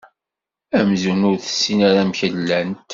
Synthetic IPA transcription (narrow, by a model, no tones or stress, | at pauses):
æmzunʊɾθə̥sːinaɾæmçəlːænt̪